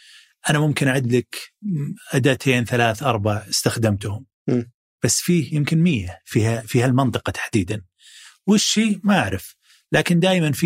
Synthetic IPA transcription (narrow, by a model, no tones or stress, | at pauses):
ʔanamʊmkɪnʔʕɪd̪lak | ʔad̪at̪ʰeːnθalaːθʔɑɾˤbaʕɪ̥st̪axd̪amt̪ʊhʊm | b̥asːfiːhjɪmkɪnmɪjːafiːhafiːhalmɑnt̪ˤɨqɑt̪ʰḁħd̪iːd̪an | wɪʃːiːmaʔaʕɾɪf | laːkɪnd̪aːjmanfi